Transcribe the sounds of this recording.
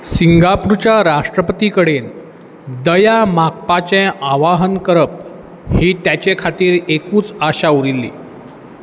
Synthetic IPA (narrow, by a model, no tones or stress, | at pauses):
siŋɡapuɾt͡ɕaɾaʂʈɾəpət̪ikəɽen | d̪əjamak̚pat͡ɕẽʔaʋaɦənkəɾəp̚ | hiːt̪jat͡ɕekʰat̪iːɾekuːt͡saɕauɾilːḭː